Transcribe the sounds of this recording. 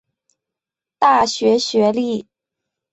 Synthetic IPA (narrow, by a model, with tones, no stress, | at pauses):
t̪a˥˩ɕɥɛ˧˥ɕɥɛ˧˥li˥˩